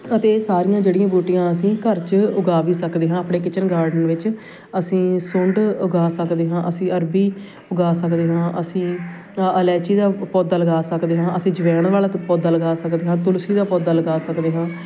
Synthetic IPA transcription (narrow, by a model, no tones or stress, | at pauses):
ət̪eːsaːɾijãːd͡ʒeːɽijãːbuːʈijãːəsĩːkəɾt͡ʃʊɡaːʋiːsəkd̪eːɦãːaːpɳeːkɪt͡ʃənɡaːɾɖənʋɪt͡ʃ | əsĩːsʊ̃ɳɖʊɡaːsəkd̪eːɦãːʔəsĩːəɾbiː | ʊɡaːsəkd̪eːɦãːʔəsĩː | əlɛːt͡ʃiːd̪aːpɔːd̪aːləɡaːsəkd̪eːɦãːʔəsĩːd͡ʒəʋɛːnʋaːlat̪pɔːd̪ːaːləɡaːsəkd̪eːɦãːt̪ʊlsiːd̪aːpɔːd̪aːləɡaːsəkd̪eːɦãː